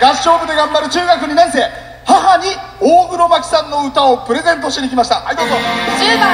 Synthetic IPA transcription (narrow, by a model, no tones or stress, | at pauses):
ɡ̥aɕo̞ːbɯ̟d̪e̞ɡãmbaɾɯ̟t͡ɕɨːɡakɯ̟ɲ̟inãɰ̃se̞ː | haɦaɲ̟ioːɯ̟ɾo̞bakʲi̥sãnːo̞ɯ̟t̪ao̞pɯ̟ɾe̞zẽ̞nt̪̬o̞ɕit̪ekʲimaɕi̥t̪aʔait̪ozo